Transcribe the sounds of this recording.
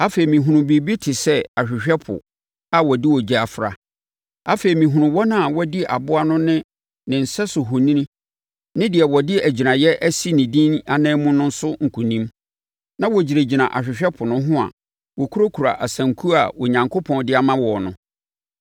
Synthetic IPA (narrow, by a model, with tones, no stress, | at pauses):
a˦fe˨i˨mĩ˨ɦũ˨nũ˨bi˨bi˦tʰɪ˨sɛ˦a˨ɕᶣɪ˨ɕᶣɛ˦pʰʊ̰˨ | a˨wɔ˨di˦wɔ˨d͡ʑi˦a˨fɾa̰˨ | a˦fe˨i˨mĩ˨ɦũ˨ɾʊ̃˨wɔ˦nã˦a˨wɔ˦dɪ˦ʔa˨bʊ˦a˦nʊ̃˦nɪ̃˦ | nɪ̃˨n̩˨sɛ˦sʊ˨ɦʊ˨nĩ˦nĩ˦ | nɪ̃˦dɪ˨ɛ˨wɔ˨dɪ˦æ˨d͡ʑi˨nã˨jɛ˦ʔæ˦si˦nĩ˨dĩ˦na˦nɛ̃ː˦mʊ̃˦nʊ̃˦n̩˦sʊ˦ŋ̩˨kʰũ˨nĩ˦m | nã˦wɔ˨d͡ʑi˨ɾe˨d͡ʑi˨nã˨ʔa˨ɕᶣɪ˨ɕᶣɛ˦pʰʊ˨nʊ̃˦ɦʊ̃˦a̰˨ | wɔ˨kʰu˦o˦kʰu˨ɾa̰˨ʔa˨sã˨ŋ̩˨kʰu˦a̰˨wɔ˨ɲã˨ŋkʰo˦pʰɔ̃˦˨ndɪ˦a˨mã˦wɔ˨nʊ̰̃˦